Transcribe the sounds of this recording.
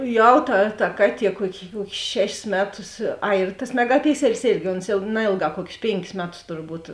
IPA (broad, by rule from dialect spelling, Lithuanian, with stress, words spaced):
ˈjɛʊ tɐ tɐ ˈkɑːˌtʲiɛ ˈkuɔkʲɪ ˈkuɔkʲɪs ˈʃʲæːʃʲɪs ˈmʲæːˌtʊs ˈɐɪ ɪr tɐs mʲɛɡɐˈpʲɪksʲɛlʲɪs ˈeːrʲɡʲɪ oːns ˈjɛʊ ˈnɐeːlˠˌɡɑː ˈkuɔkʲɪs ˈpʲeːŋʲkʲɪs ˈmʲæːˌtʊs tʊrˈbuːt